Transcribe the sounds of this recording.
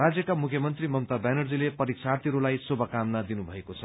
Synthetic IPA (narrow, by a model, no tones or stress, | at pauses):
rad͡zjʌkamukʰjʌmʌnt̪rimʌmt̪abanʌrd͡zilepʌɾiksart̪ʰiɾulajsobʱʌkamnad̪inubʱʌekot͡sʰʌ